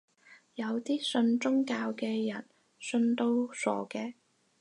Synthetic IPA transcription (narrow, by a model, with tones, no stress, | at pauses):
jɐ˨˧wt̪iː˥sɵ˧nt͡sʊ˥ŋkaː˧wkɛː˧jɐ̰˨˩n | sɵ˧nt̪o˧wsɔ̰ː˨˩kɛː˧